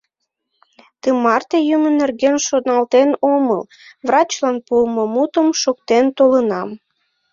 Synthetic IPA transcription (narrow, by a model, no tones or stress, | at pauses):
t̪əmɑrt̪ejumənerɣenʃod̪nɑlt̪enomə̰l | vrɑt͡ɕlɑnpuəmomut̪əmʃokt̪ent̪olənɑm